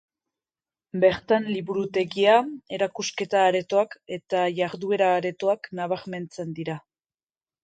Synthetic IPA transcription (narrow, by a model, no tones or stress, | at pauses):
be̞ɾt̪anliβuɾut̪e̞ɣiae̞ɾakuske̞t̪aːɾe̞t̪oake̞t̪aʝaɾðue̞ɾaːɾe̞t̪o̞aknaβ̞aɾme̞nt͡se̞nd̪iɾa